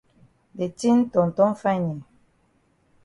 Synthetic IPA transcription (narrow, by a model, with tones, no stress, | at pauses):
be˨ti˦n̩˦tɔ˨n̩˨tɔ˦m̩˦fa˦ɲi˨